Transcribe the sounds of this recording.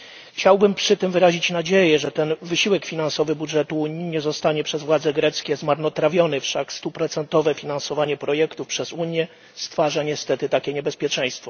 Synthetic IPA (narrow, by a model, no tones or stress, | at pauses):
xt͡ɕawbɘmpʂɘt̪ɘmvɘɾaʑit͡ɕnad͡ʑejɛʐɛt̪ɛnvɘɕiwɛkfʲinansɔvɘbudʐɛt̪uuɲiɲɛzɔst̪aɲɛpʂɛzvwad̪zɛɡɾɛt̪skʲɛzmaɾnɔt̪ɾavʲjɔnɘfʂakst̪upɾɔt̪sɛnt̪ɔvɛfʲinansɔvaɲɛpɾɔjɛkt̪ufpʂɛzuɲjɛ | st̪faʐaɲɛst̪ɛt̪ɘt̪akʲɛɲɛbɛspʲjɛt͡ʂɛ̃j̃st̪fɔ